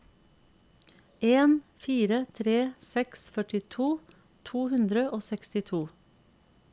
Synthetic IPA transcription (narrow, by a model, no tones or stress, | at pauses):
ʔeːnfiːɾət̪ʰɾeːsɛksfœʈɪt̪ʰuː | t̪ʰuːhʉnd̪ɾəʔoːsɛkst̪ɪt̪ʰuː